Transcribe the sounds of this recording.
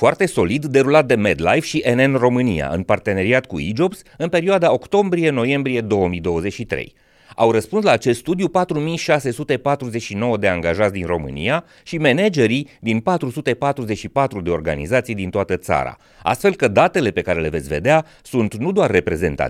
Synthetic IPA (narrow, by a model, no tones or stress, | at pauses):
foart̪e̞so̞lid̪ːe̞ɾulat̪̚d̪e̞med̪lajfʃiʔenenro̞mɨnija̰ʔɨ̰npart̪e̞ne̞ɾiat̪̚kuid͡ʒo̞bs | ɨnpe̞ɾioad̪ao̞kt̪o̞mbɾie̞no̞je̞mbɾije̞d̪o̞wəmijd̪o̞wəze̞t͡ʃʃit̪ɾḛj | a̰wrəspunslaːt͡ʃest̪st̪ud̪jupat̪ɾumijʃase̞sut̪e̞pat̪ɾuze̞t͡ʃʃino̞wəd̪e̞aŋɡaʒat̪sʲd̪inro̞̰mɨ̰nḭja | ʃime̞ned͡ʒe̞ɾid̪inpat̪ɾusut̪e̞pat̪ɾuzet͡ʃʃipat̪ɾud̪e̞o̞rɡa̰nḭzat̪sijd̪int̪oat̪ət̪sa̰ɾa̰ | a̰st̪fe̞lkəd̪at̪e̞le̞pe̞kaɾe̞le̞ve̞t̪sʲve̞̰d̪ea | sunt̪nud̪oarːe̞pɾe̞ze̞̰nt̪a̰t̪